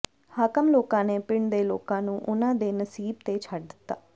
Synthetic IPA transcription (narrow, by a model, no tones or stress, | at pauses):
haːkəmloːkãːneːpɪɳd̪eːlo̰ːkãːnũːʔʊnãːd̪eːnəsiːb̚t̪eːt͡ʃʰəɖd̪ɪt̪ːa̰ː